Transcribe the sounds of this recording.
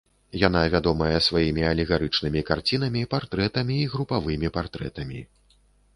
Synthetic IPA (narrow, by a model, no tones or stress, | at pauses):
jan̪avʲad̪ɔmɐjɐsvajimʲiɐlʲiɣaɾɨt͡ʂnɨmʲikart͡sʲin̪ɐmʲipart̪ɾɛt̪ɐmʲiːɣɾupavɨmʲipart̪ɾɛ̰t̪ɐmʲḭ